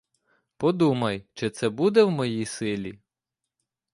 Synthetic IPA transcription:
pɔd̪umɐjt͡ʃɪt̪sɛbud̪ɛwmɔjijsɪlʲi

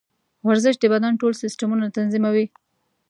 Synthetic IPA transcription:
waɾzɪʃ̚d̪əbad̪anʈolsɪsʈamunat̪anzimawi

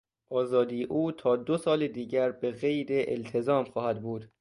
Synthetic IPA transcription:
ʔɒːzɒːd̪iːjeʔuːt̪ʰɒːd̪osɒːled̪iːɟæɾbeɣe̞jd̪eʔḛlt̪ʰezɒːmxɒːhæd̪buːd̪̥

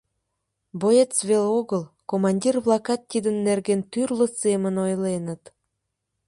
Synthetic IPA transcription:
boet͡sβeloɣəlkomɑnʲdʲirβlˠɑkɑt̪ːid̪ə̆nːerɣent̪yrlə̆semə̆nojlenə̆t̪

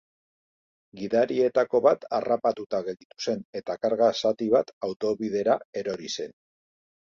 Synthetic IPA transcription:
ɡiðaɾie̞t̪ako̞βat̪arapat̪ut̪aɣe̞ld̪it̪u̥se̞ne̞t̪akaɾɣasat̪iβ̞at̪awt̪o̞βið̞e̞ɾae̞ɾo̞ɾise̞n

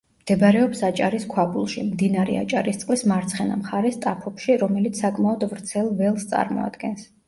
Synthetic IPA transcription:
md̪̥ɛbɾɛɔpsat͡ʃʼaɾiskʰwapʼulˠʃḭmd̪inaɾɛ̰a̰t͡ʃʼaɾist̪sʼqʼlismaɾt̪sʰχɛna̰mχaɾɛst̪ʼapʰɔpʃiɾɔmɛlit̪ssakʼmaɔd̪vɾt̪sʰɛlˠvɛlˠst̪sʼa̰ɾmɔ̰a̰d̪̥ɡɛns

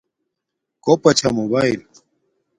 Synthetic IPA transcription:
kopɐt͡ɕʰa̰mobail

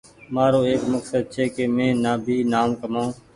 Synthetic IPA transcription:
maːɾoːeːkməksəd̪̚t͡ʃʰeːkeːmẽːnaːbʱiːnaːmkəmõː

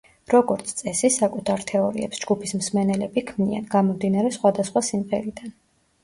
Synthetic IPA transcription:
ɾɔɡɔɾt̪sʰt̪sʼɛsisakʼut̪ʰaɾt̪ʰɛɔɾḭɛ̰psd͡ʒɡupʰismsmɛnɛlɛbikʰmnia̰nɡamɔmd̪inaɾɛsχwad̪asχwasimʁɛɾid̪̥an

